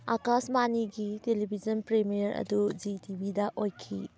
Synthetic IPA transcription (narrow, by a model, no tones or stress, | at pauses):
akasmaniɡitelibʱid͡ʒɐnpɾemijɐɾʔɐ̰dud͡ʒitibʱidɐʔojkʰḭ